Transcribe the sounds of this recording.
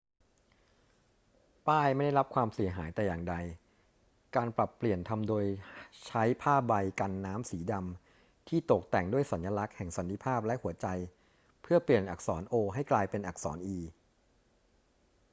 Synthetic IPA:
paː˥˩jma˥˩jda˥˩jɾa˦˥p̚kʰwaː˧msi˨˩˦ɦaː˩˦jt̪ɛː˨˩jaː˨˩ŋda˧j | kaː˧npɾa˨˩pːli˨˩ənt̪ʰa˧mdoː˧jt͡ɕʰa˦˥jpʰaː˥˩ba˧jka˧nːaː˦˥msiː˩˦da˧m | t̪ʰiː˥˩t̪o˨˩k̚t̪ɛ˨˩ŋdu˥˩əjsa˩˦nja˧la˦˥k̚hɛ˨˩ŋsa˨˩˦nt̪ʰi˧˦pʰaː˥˩p̚lɛ˦˥ʔhu˩˦ɐt͡ɕa˧j | pʰɯ˥˩ɐpli˨˩ənʔa̰˨˩k̚sɔː˩˦nʔoː˧ɦa˥˩jklaː˧jpe˧nʔa˨˩k̚sɔ̰ː˩˦nʔiː˧

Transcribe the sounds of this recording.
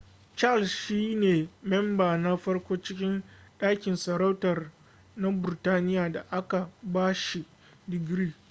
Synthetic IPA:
t͡ʃa˦˨lsʃiː˦neː˨mɛ˦mbaː˨na˦ɸɐ˦ɽkʷoː˦t͡ʃɪ˦kʲɪ˦nɗaː˦kʲɪ˨nsɐ˨ɾa˦wtɐ˨r | na˦bɪ˨ɾtaː˦nɪ˦jaː˨da˨ʔa˦ka˨baː˦ʃi˨ | dɪ˨ɡɾiː˦

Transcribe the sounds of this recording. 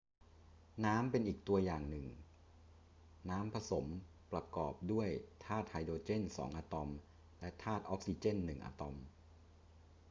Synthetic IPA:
naː˦˥mpe˧nʔiː˨˩k̚t̪u˧ɐjaː˨˩ŋnɯ˨˩ŋ | naː˦˥mpʰa˧so˩˦m | pɾa˧kɔː˨˩p̚du˥˩əjt̪ʰaː˥˩t̪̚ha˧jdoː˧t͡ɕe˥˩nsɔ̰ː˩˦ŋʔaː˧t̪ɔ˧m | lɛ˦˥t̪ʰaː˥˩t̪̚ʔɔː˦˥k̚siː˧t͡ɕe˥˩nːɯ˨˩ŋʔa̰ː˧t̪ɔ˧m

